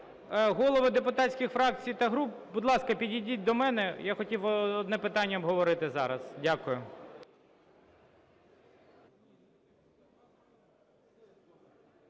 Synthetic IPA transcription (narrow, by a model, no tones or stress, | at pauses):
ɦɔlˠɔʋɪd̪epʊt̪ɑtʲsʲkʲɪxfɾɑk̚t͡sʲijt̪ɐɦɾup̚bud̪lˠɑskɐpʲidʲidʲit̚ʲd̪ɔmɛnɛjaxɔtʲiwɔɔd̪nɛpɪt̪ɑnʲːɐɔbɦɔʋɔɾɪt̪ɪzɑɾɐz̥dʲakʊjʊ